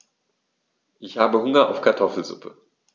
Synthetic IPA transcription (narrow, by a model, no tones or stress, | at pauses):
ʔɪçhaːbəhʊŋɐʔa̰ʊfkʰaɐtʰɔfl̩zʊ̰pʰə